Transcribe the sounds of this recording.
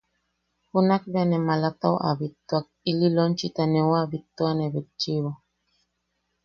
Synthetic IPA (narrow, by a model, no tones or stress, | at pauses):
hunak̚danɛmalat̪a̰wʔa̰bit̪ːwak̚ililont͡ʃit̪anɛwabit̪ːwanebit̚t͡ʃiβo